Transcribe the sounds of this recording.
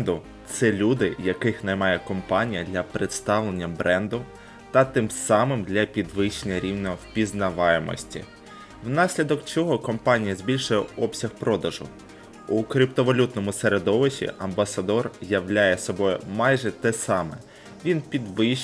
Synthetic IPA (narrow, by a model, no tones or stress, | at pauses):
d̪ʊ | t̪sɛlʲud̪ɪjɐkɪxnɐjmɑjɛkɔmpɑnʲijɐd̪lʲɐpɾet̪st̪ɑʋlˠenʲːɐbɾɛnd̪ʊ | t̪ɐt̪ɪmsɑmɪmd̪lʲɐpʲid̪ʋɪʃenʲɐɾʲiwnʲɔpʲiznɐʋɑjemɔ̰sʲtʲḭ | wnɑsʲlʲid̪ɔkt͡ʃɔɦɔkɔmpɑnʲijɐzʲbʲilʲʃʊjɛɔpsʲɐxpɾɔd̪ɐʒʊ̰ | ukɾʲipt̪ɔʋɔlʲut̪nɔmʊseɾed̪ɔʋɪʃʲḭʔɐmbɐsɐd̪ɔrjɐwlʲajɛsɔbɔjʊmɑjʒɛt̪ɛsɑmɛ | ʋʲinpʲid̪ʋɪ